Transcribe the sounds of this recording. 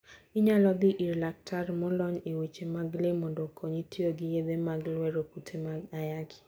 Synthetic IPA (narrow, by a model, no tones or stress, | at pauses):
iɲalɔd̪ɪʔiɾlak̚tʰaɾmɔlɔɲewet͡ʃemaɡlemɔndɔokʰoɲitʰioɡɪjed̪emaɡlwɛɾokutʰemaɡajaɡɪ̥